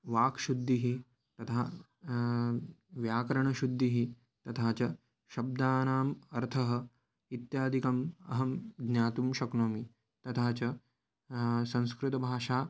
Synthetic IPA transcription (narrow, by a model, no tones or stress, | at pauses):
ʋaːkʃud̪ʱːiɦi | t̪ɐt̪ʰaː | ʋjaːkɐɾɐɳɐʃud̪ʱːiɦi | t̪ɐt̪ʰaːt͡ʃɐ | ʃɐb̚d̪aːnaːmɐɾt̪ʰɐɦɐ̆ | it̪jaːd̪ʱikɐmɐɦɐmd̪ɲaːt̪umʃɐknoːmi | t̪ɐt̪ʰaːt͡ʃɐ | sɐ̃ñskɾɪt̪ɐbʱaːʃaː